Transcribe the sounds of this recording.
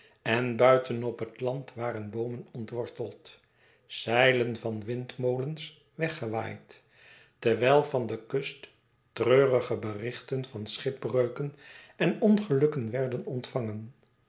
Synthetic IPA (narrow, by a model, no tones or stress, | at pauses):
ɛnbœɥtʰənɔpɦətlɑntʋaːɾənbowmənɔntʋɔɹtəlˠt | sɛjlənvɑnʋɪntmowləns | ʋɛχəʋa̰ːjt | təɹʋɛjlˠvɑndəkɵstː | røːrəχəbərɪχtənv̥ɑnsχɪprøɥkənɛnɔnχəlɵkənʋɛɹdənɔntfɑŋən